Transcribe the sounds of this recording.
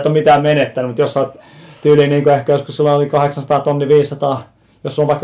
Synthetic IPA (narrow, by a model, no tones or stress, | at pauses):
t̪ːomit̪æːmmenet̪ːænymut̪josːɑˑt̪t̪yːliːniːŋkuehkæjoskussilːɑolikɑheksɑnsɑt̪ɑːt̪onːiʋiːssɑt̪ɑː | josulːopɑikː